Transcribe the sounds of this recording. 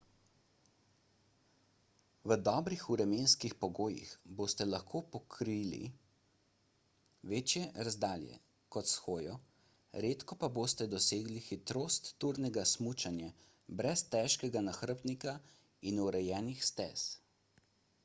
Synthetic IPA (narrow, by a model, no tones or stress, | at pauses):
ʋəd̪ɔːbɾixuɾɛmeːnskixpɔɡoːjḭxboːst̪ɛlaxkʰoːpɔkʰɾilḭ | ʋeːt͡ʃjɛɾazd̪aːljɛ̰ | kɔt̪sxoːjɔ | ɾet̪kɔpaboːst̪ɛd̪ɔseːɡlixit̪ɾoːst̪ːuɾnɛɡasmut͡ʃanja | bɾɛst̪ɛʃkɛɡanaxɾp̪nika | inuɾɛjɛːnixst̪ɛ̰s